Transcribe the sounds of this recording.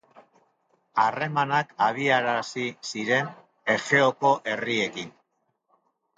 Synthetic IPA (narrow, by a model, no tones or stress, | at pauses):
are̞manakaβiaɾasisiɾe̞n | e̞xe̞oko̞ʔe̞rie̞kin